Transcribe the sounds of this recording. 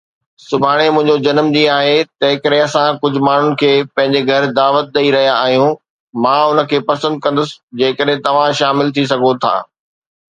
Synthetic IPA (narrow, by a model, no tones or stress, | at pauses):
sʊbʱaːɽ̃emʊ̃ɦɪ̃ɲd͡ʑod͡ʑɐnmd͡ʑiaːɦet̪ɐɦɪkəɾeɐsãkʊd͡ʑʱʊ̆maːn̤ʊnɪ̆kʰeːpɐ̃ɦɪ̃ɲd͡ʑeɡʱɐɾd̪aːʋət̪̚ɗ̪ɐiɾɐɦijaːɦijũ | mãːʊnə̆kʰeːpɐsə̃nd̪̚kɐ̃nd̪ʊsɪ̥d͡ʑeːkəɗɦɪ̃t̪ɐʋ̤ãʃaːmɪlt̪ʰis̬ɐɡʱot̪ʰa̰ː